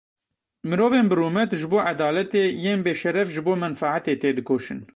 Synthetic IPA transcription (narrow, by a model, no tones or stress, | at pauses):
mɨɾoːveːnbɨruːmɛt̪ʒɨboːʕad̪ɑːlɛt̪eːjeːnbeːʃɛɾɛfʒɨboːmɛnfaʕat̪eːt̪eːd̪ɨkoːʃɨn